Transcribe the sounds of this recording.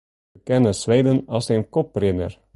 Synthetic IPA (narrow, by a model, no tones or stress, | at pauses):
kɛnəsʋɛjdənɑsenkɔprɪdə̰r